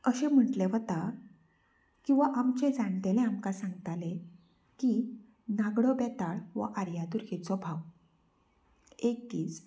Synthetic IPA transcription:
əɕẽm̤əʈleʋət̪a | kĩw̃ʋaʔamt͡ɕed͡zaɳt̪elẽamkasãŋɡt̪ale | ki | naɡɽɔbɛt̪aɭʋə̰ʔaɾjad̪uɾket͡sɔbʱaw | ek̚t̪iːt͡s

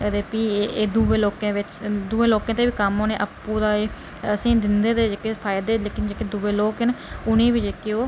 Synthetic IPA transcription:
d̪eːpiːeːd̪uːʋeːloːkẽːʋɪt͡ʃd̪uːeːloːkẽːt̪eːʋiːkəmoːnẽːʔəpːuːd̪aːeː | əsĩːd̪ɪnd̪eːd̪eːd͡ʒeːkeːpʰaːjd̪eːleːkɪnd͡ʒeːked̪uːʋeːloːkɪnʊnẽːʋid͡ʒeːkɪoː

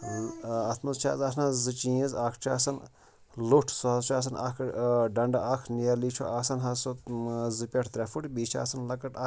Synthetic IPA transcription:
ɐt̪ʰmɐzt͡ʃʰa̰ːzasnazɨt͡ʃĩizaːkʰt͡ʃʰa̰ːsɐn | luʈʰsuɦɐzt͡ʃʰaːs̬ɐna̰kʰɖɐɳɖakʰnijɐliːt͡ʃʰo̰ʔaːsɐnɦɐsozɨpʲɐʈʰt̪ɾɛfuʈbiːt͡ʃʰa̰ːsɐnlɐkɐʈa

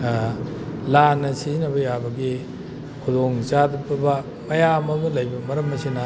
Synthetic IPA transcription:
lanːɐsinɐbɐjabɐɡi | kʰudoŋt͡ʃadbɐbɐ | mɐjamɐmulɐjbɐmɐɾɐmːɐsinɐ

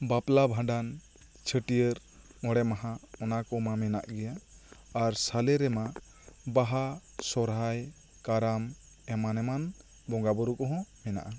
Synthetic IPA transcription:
baplabʱãɖan | t͡ʃʰəʈijəɾ | ɔɽɛmaɦãɔnakɔmamɛna̰ʔɡɛjaː | ɾsalɛɾɛma | baɦasɔɾɦaj | kaɾam | ɛmanɛman | bɔŋɡabɔɾukɔɦɔ̃mɛna̰ʔa

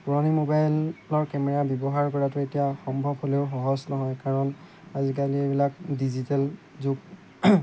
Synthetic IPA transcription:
puɹɔnimobajllɔɹkɛmɛɹabjɔbɔɦaɹkɔɹatʊetijaxɔmbʱɔbholeʊxɔɦɔsnɔɦɔjkaɹɔn | azikaliebilak̚dizitɛl | zʊɡ

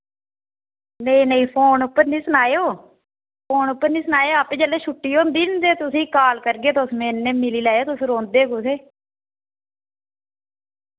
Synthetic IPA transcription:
nəiːnəĩːpʰoːnʊpːəɾnĩːsʊnaːeoː | pʰoːnʊpːəɾnĩːsʊnaːeoːapẽːd͡ʒəleːʃʰʊʈːiːoːnd̪iːnd̪eːt̪ʊsĩːkaːlkəɾɡeːt̪osmẽːnːẽːmɪliːlaːjoːt̪ʊsɾõːnd̪eːkʊseː

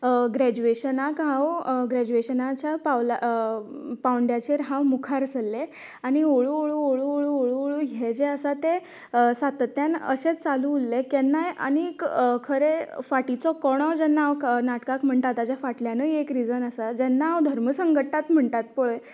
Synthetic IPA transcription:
ɡɾæd͡ʑueɕənakɦawɡɾæd͡ʑueɕənat͡ɕjapawla | pawɳɖjat͡ɕeɾɦawmukʰaɾsəlːe | añioɭuoɭuoɭuoɭuoɭuoɭuɦed͡ʑeəsat̪e | sat̪ət̪ːjanə̰ɕet͡st͡salulːekɛnːajʔa̰nikkʰəɾefaʈit͡sɔkɔɽ̃ɔd͡ʑɛnːaɦawnaʈkakm̤əɳt̪at̪ad͡ʑjafaʈljanəiekɾid͡zənəsad͡ʑɛnːaɦawd̪ʱəɾməsəŋɡəʈːat̪m̤əɳt̪at̪̚poɭe

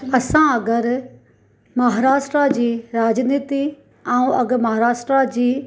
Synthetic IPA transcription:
ɐsãɐɡəɾ | mɐɦaːɾaːʃʈɾad͡ʑiːɾaːd͡ʑniːt̪i | ɛ̃ũʔɐɡmɐɦaːɾaːʃʈɾad͡ʑiː

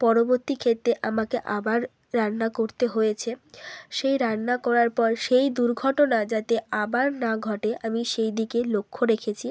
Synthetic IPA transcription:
pɔɾoboɾt̪ikʰet̪ːɾeʔa̰makeʔabaɾː | anːakoɾt̪eɦojet͡ɕʰeʃejɾanːakɔɾaɾpɔɾʃejd̪uɾɡʱɔʈonad͡ʑat̪eabaɾnaɡʱɔʈeʔamiʃejd̪ikelokʰːoɾekʰet͡ɕʰi

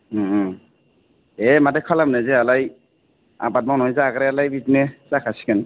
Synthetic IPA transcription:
emadɛkʰalamnazɛalaj | a̰bat̚maŋnɔɦɔjzaɡɾɛalajbitnezakʰasi̥kan

